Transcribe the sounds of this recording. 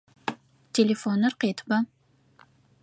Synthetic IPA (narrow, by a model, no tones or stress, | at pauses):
tʲʰelʲefonːɨɾqet̪ba